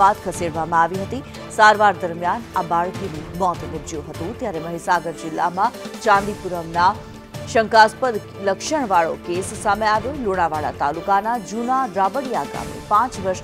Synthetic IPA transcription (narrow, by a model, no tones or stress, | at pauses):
at̪kʰəseɽʋamãaʋiɦət̪i | saɾʋaɾd̪əɾmjanabaɭkinumɔt̪nɪbd͡ʒjuɦət̪ũt̪jaɾeməɦisaɡəɾd͡ʒɪlːa̰mãt͡ʃãnd̪ipuɾəmna | ʃəŋkaspəd̪ | ləkʃəɳ̃ʋaɭo̰kessameaʋjoloɽ̃aʋaɭa̰t̪alukanad͡ʒunaɾabəɽijaɡa̰mḛpãt͡ʃʋəɾʃ